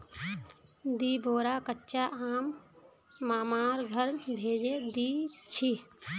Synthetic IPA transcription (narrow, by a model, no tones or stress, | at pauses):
d̪iːbʱoːɾaːkətːt͡ʃaʔaːmː | aːmaːɾɡʱəɾbʱeːd͡ʒed̪iːt͡ʃʰi